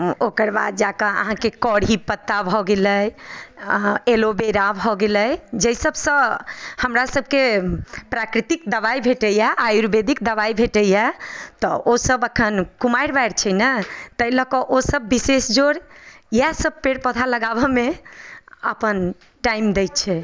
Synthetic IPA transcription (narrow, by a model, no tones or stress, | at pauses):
okəɾba̰d̪̚d͡ʒakəə̰ɦãkekɔɽɦipət̪ːabʱɔɡeləj | elobeɾabʱɔɡeləjd͡ʒəjsəbsə̃həmɾasəb̚ʱkepɾakɾit̪ik̚d̪əβajbʱeʈəjɛʔajuɾbed̪ikd̪əβaibʱeʈəjɛt̪ɔ̰ʔosəbəkʰənkumajɾbajɽt͡ʃʰɛjnət̪əjləkəʔosəbːisesd͡ʒoɽjasəb̚peɽpəd̪ʱʰaləɡaβɔme | ə̰pən | ʈaimd̪ej̪t͡ʃʰɛ